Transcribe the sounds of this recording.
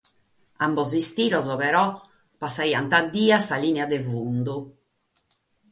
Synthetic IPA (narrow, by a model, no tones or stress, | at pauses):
ambɔzist̪iːɾɔzɔpɛɾɔ | pːasːaiːant̪ad̪ːiːasaliːnɛad̪evund̪u